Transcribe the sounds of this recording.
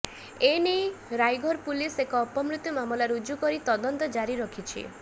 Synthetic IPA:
enejɾajɡʱɔɾpulisekɔɔpɔmɾut̪jumamɔlaɾud͡ʒukɔɾit̪ɔd̪ɔnt̪ɔd͡ʒaɾiɾɔkʰit͡ʃʰḭ

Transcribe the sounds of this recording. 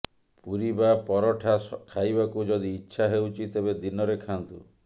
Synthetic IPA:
puɾibapɔɾɔʈʰakʰajbakud͡ʒɔd̪iːtːʃʰaɦewt͡ʃʰit̪ebed̪inɔɾekʰant̪u

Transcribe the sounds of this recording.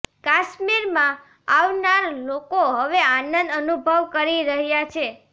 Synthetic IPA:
kaʃmiɾmã | aʋnaɾlokoɦəʋeanənd̪ənubʱəʋkəɾiɾəɦjat͡ʃʰe

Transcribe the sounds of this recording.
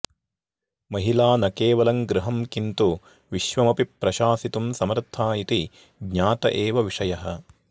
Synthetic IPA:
mɐɦilaːnɐkeːʋɐlɐŋɡɾuɦɐmkint̪u | ʋiʃʋɐmɐpipːɾɐʃaːsit̪umsɐmɐɾt̪ʰaːit̪i | ɡɲaːt̪ɐʔeːʋɐʋiʂɐjɐɦɐ

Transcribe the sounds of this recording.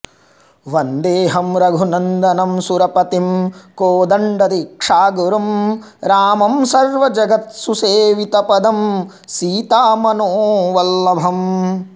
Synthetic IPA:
ʋɐnd̪eːɦɐmɾɐɡʱunɐnd̪ɐnɐmsuɾɐpɐt̪imkoːd̪ɐɳɖɐd̪ikʂaːɡuɾɐmɾaːmɐmsɐɾʋɐd͡ʒɐɡɐt̪suseːʋit̪ɐpɐd̪ɐm | siːt̪aːmɐnoːʋɐlːɐbʱɐm

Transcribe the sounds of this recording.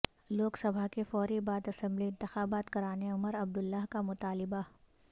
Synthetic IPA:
loːksɐbʱaɦkefɔːɾibaːd̪ɐsə̃mbliɪ̃nt̪ɪxaːbaːt̪kɐɾaːneʊməɾɐb̚d̪ʊlːaːɦkamʊt̪aːlɪba

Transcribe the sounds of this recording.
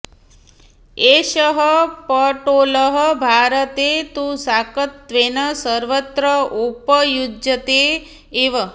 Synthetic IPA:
eʃəɦəpəʈoləɦəbʱaɾət̪et̪usakət̪ʋenəsəɾʋət̪ɾəupəjud͡ʒjət̪eː | ʋə

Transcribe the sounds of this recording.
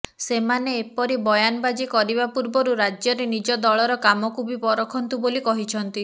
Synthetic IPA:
semaneːpɔɾibɔjanɔbad͡ʒikɔɾibapuɾbɔɾuɾad͡ʒjɔɾenid͡ʒɔd̪ɔɭɔɾɔkamɔkubipɔɾɔkʰɔnt̪ubolikɔɦit͡ʃʰɔnt̪i

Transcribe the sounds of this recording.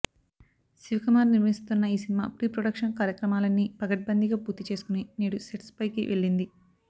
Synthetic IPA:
siʋikɐmaːɾniɾʋɐɦist̪unːɐiːsinima̰ːpɾiːpɾoɽɐkʂɐnkaːɾjɐkɾɐmaːlɐnːipɐɡɐʈ̚bɐnd̪ʱiɡaːpuːɾt̪it͡ʃe̞ːsu̥kuniniːɽuseʈspɐjkḭʋe̞ɭːind̪i

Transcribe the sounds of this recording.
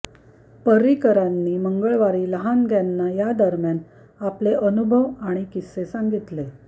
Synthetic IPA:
pəɾikəɾanːiːməŋɡəɭʋaɾiːləɦanɡʱjanːajad̪əɾmjan | apleʔənubʱəʋaɽ̃ikisesaŋɡit̪le

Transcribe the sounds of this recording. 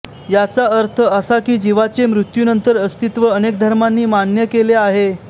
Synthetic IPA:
jat͡saəɾt̪ʰəəsakiːd͡ʑiʋat͡semɾut̪juːnənt̪əɾəst̪it̪ʋəənek̚d̪ʱəɾmanːiːmanjəkeleaɦe

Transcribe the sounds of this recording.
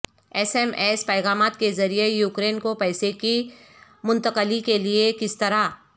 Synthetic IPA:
ɛːsɛmɛːspɛːɣaːmaːt̪̚kezɐɾijejuːkɾeːnkopɛːseki | mʊ̃nt̪əqəlikeliekɪst̪ɐɾa

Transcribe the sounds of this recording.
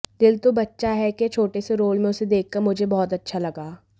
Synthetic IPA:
d̪ɪlt̪obɐtːʃaɦɛket͡ʃʰoːʈeseɾoːlmẽʊsed̪eːkːɐɾmʊd͡ʒʱebɔːt̪ɐtːʃʰalɐɡaː

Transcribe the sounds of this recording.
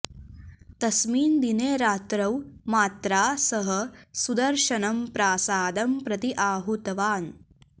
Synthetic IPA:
t̪ɐsmiːnd̪ineːɾaːt̪ɾɐwmaːt̪ɾaːsɐɦɐsud̪ɐɾʃɐnɐmpɾaːsaːd̪ɐmpɾɐt̪iʔaːɦut̪ɐʋaːn

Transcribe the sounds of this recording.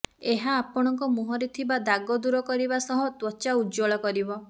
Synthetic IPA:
eɦaːpɔɽ̃ɔŋkɔmuɦɔɾet̪ʰibad̪aɡɔd̪uɾɔkɔɾibasɔɦɔt̪wɔt͡ʃaud͡ʒɔɭɔkɔɾibɔ

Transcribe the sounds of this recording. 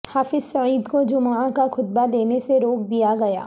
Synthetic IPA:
haːfɪzsɐiːd̪kod͡ʒʊmãkaxʊt̪̚bad̪eːneseɾoːk̚d̪ijaɡɐja̰ː

